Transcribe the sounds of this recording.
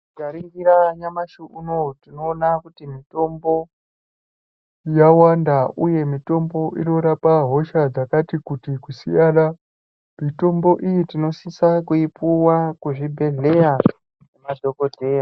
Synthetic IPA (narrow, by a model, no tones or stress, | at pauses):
ɡaɾiŋɡiɾaɲamaʃuʔunotino̞ːnakutimito̞mbo̞ | jawandaʔuje̞mito̞mbo̞ʔinoɾapaɦo̞ʃad͡zakatikutikusijaɗa | mito̞mbo̞ʔijitino̞sisakuipuwakuʐibʱe̞ɮe̞ja | nemadʱo̞ko̞dʱe̞ːja